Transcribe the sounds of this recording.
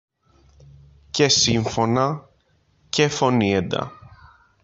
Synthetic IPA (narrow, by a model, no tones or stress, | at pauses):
cesiɱfo̞nɐ | cefo̞nied̪ɐ̰